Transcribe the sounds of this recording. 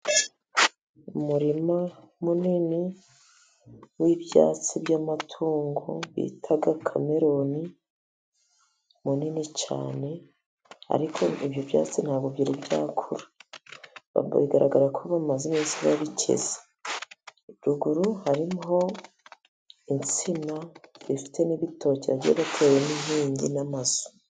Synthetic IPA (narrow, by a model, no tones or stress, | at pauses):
umuɾima | munini | wibja̰ːt͡sibɟamatʰuːŋɡo̰βḭtʰaɡakʰame̞ɾo̞ni | muninit͡ʃa̰ːne̞ | a̰ɾikʰo̞ibjovja̰ːt͡sin̥haːbɡobɟiɾibja̰ːkʰuɾḁ | βa̰βiɡaɾaɡaɾakʰoβamazemesiβaβicʰḛze̥ | ibɟuɡuɾuhaɾimɦo̞ | int͡simazifi̥tʰe̞niβitʰo̞ceβaɟijeβatʰeweniɦiːɲɟinamazo̥